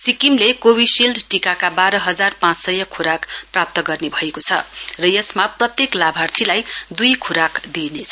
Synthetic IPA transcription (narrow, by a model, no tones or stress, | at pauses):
sikimlekobisilɖʈikakabaɾʌɦʌd͡zarpãt͡ssʌjʌkʰuɾakprap̚t̪ʌɡʌrnebʱʌekot͡sʰʌ̰rʌjʌsmaprʌt̪jeklabʱart̪ʰilajd̪ujkʰuɾakd̪inet͡sʰʌ